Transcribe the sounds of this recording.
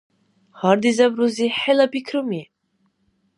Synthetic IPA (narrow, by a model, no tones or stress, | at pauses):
hɑɾd̪izabɾuziħelabikʰɾumi